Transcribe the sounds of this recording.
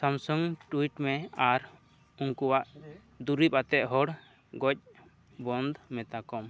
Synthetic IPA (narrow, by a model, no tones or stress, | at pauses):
samsɔŋʈuwiʈmɛaɾ | uŋkuwaʔ | d̪uɾip̚at̪ɛʔ̪̚ɦɔɽ | ɡɔc̚ | bɔnd̪mɛt̪akɔm